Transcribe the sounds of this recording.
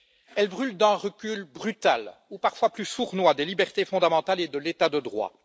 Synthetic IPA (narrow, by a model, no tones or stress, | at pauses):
ɛlbʁyld̪ɛ̃ʁəkʲylbʁyt̪alupaʁ̥fwaplysuʁnwad̪elibɛʁt̪efɔ̃d̪amɑ̃t̪aled̪əlet̪ad̪əd̪ʁwa̰